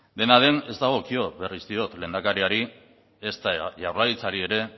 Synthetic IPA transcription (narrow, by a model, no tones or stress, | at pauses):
d̪e̞naðe̞ne̞zd̪aɣ̞o̞kio̞βerisd̪io̞t̪le̞ːnd̪akaɾiaɾi | e̞st̪aʝawrlaðit͡saɾie̞ɾe̞